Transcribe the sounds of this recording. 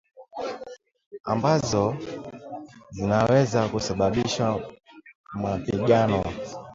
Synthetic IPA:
a̰mbazɔ | zinawɛzakusaɓaɓiʃa | mapiɡanɔ

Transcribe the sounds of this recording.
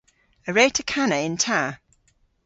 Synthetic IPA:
əɹeɪtʰəkʰanəɪ̃ntʰaː

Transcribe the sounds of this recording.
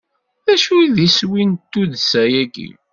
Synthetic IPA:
ðæʃujðiswint̪ːuðsæjæɡḭ

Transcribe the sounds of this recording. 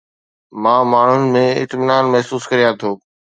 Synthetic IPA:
mãːmaːɳ̤ʊnɪ̆mẽɪ̰t̪mɪnaːnmɛɦsuːskɐɾijãt̪ʰoː

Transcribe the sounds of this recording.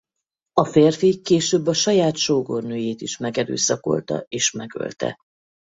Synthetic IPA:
ɒfeːrfikːeːʃøːbːɒʃɒjaːt̪ʃoːɡo̰rnøːjeːt̪iʃmɛɡɛɾø̰ːsɒko̞̰lt̪ɒ̰eːʃmɛɡø̞̰lt̪ɛ̰

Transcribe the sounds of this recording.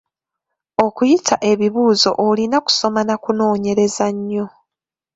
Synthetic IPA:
o̞kujitʰaʔe̞βiβuːzo̞̰ʔolinaku̥so̞manakuno̞ːɲe̞ɾe̞zaɲːo̞

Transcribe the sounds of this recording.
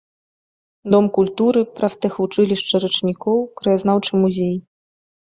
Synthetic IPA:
d̪ɔmkulʲt̪uɾɨpɾaft̪ɛxvut͡ʂɨlʲiʂt͡ʂɐɾɨt͡ʂnʲikɔwkɾɐjaznawt͡ʂɨmuzʲej

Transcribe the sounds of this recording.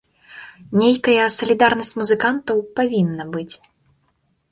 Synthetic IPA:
nʲejkɐjɐsɐlʲid̪arnɐsʲt͡sʲmuzɨkant̪ɐwpavʲinːɐbɨt͡sʲ

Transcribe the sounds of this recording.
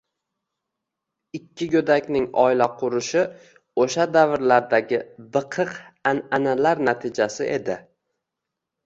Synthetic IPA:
ɪkʲʰːɪɡɵd̪akʲnɪŋɒ̰ɪlaqʰʊɾɪʃɪ | oʃad̪avɾlaɾd̪aɡʲɪbɨqʰɨqananalaɾnat̪ʰɪd͡ʒasɪʔe̞̰d̪ɪ

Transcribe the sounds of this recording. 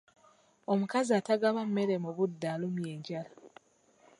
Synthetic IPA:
o̞mukaziataɡaβamme̞ɾemuβudːaːlumjeːɲɟala

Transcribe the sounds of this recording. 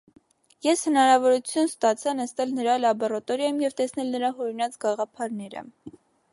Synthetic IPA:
jɛshənɑɾɑvɔɾut͡sʰjunst̪ɑt͡sʰɑnəst̪ɛlnəɾɑlɑbɔɾɑt̪ɔɾjɑjumjɛvt̪ɛsnɛlnəɾɑɦɔɾinɑt͡sɡɑʁɑpʰɑɾnɛɾə̰

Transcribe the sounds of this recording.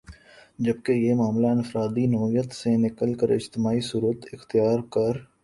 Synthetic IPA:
d͡ʒəb̚kejemaːmlaɪ̃nfəɾaːd̪inɔːijət̪senɪkəlkəɾɪ̰d͡ʒt̪ɪmaːisuːɾət̪ɪxt̪ɪjaːɾkɐɾ

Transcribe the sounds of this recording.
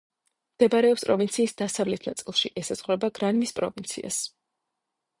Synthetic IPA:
md̪̥ɛbaɾɛɔpspʼɾɔvint̪sʰiːsd̪̥asavlɛt̪ʰnat̪sʼilˠʃiʔɛsaz̥ʁwɾɛbaɡɾanmispʼɾɔ̰vint̪sʰḭa̰s

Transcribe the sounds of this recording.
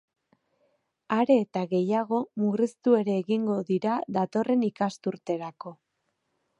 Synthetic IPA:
aɾe̞ːt̪aɣe̞jaɣ̞o̞murist̪ue̞ɾe̞ːɣiŋɡo̞ðiɾaðat̪o̞re̞nikast̪uɾt̪e̞ɾako̞

